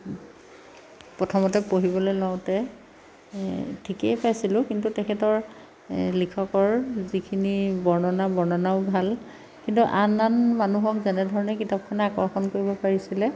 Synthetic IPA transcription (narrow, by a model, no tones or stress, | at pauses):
pɹɔtʰɔmɔtɛpoɦibɔlojlɔʊ̃tɛ | tʰikejpajsilʊ̃kintutɛkʰɛtɔɹ | likʰɔkɔɹzikʰinibɔɹnɔnabɔɹnɔnaʊbʱal | kintuʔananmanuɦɔkzɛnɛdʱɔɹɔnɛkitap̚kʰɔnakɔɹxɔnkoɹibɔpaɹisilɛ